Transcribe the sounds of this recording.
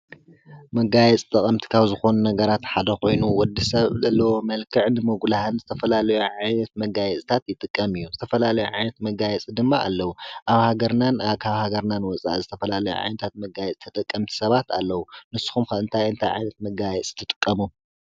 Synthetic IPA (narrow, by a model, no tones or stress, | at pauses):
mɐɡajɛt͡sʼt̪ʼɐkʼɐmt̪ʰi̥kʰaβzɨxo̞nunɐɡɐɾat̪ħad̪ɐxo̞jnuwɔd̪ːisɐβzɐlːɐwo̞mɐlkʰɨʕnɨmɨɡlahɨnzɨt̪ʰɐfɐlalɐjuʕajnɐt̪̚mɐɡajɛt͡sʼt̪ʰat̪jɪt̪ʼɨkʼːɐmɨjːuzɨt̪ʰɐfɐlalɐjuʕajnɐt̪mɐɡajɛt͡sʼid̪ɨmːaʔa̰lːɐwuʔaβhaɡɐɾnanaβkʰaβhaɡɐɾnanwɔt͡sʼa̰ʔzɨt̪ʰɐfɐlalɐjṵʕa̰jnɐt̪ʰat̪̚mɐɡajɛt͡sʼt̪ʰɐt̪ʼɐkʼːɐmt̪ʰi̥sɐβat̪ʰalːɐwunɨsu̥xumkɐɨnt̪ʰajɨnt̪ʰajʕa̰jnɐt̪̚mɐɡajɛt͡sʼt̪ʰɨt̪ʼɨkʼːɐmu